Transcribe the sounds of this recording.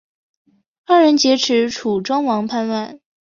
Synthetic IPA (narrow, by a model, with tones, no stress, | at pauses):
a˥˩ɻə˧˥nt͡ɕjɛ˧˥ʈ͡ʂʰɻ̩˧˥ʈ͡ʂʰu˨˩ʈ͡ʂwɑ˥ŋwɑ˧˥ŋpʰa˥˧nwa˥˩n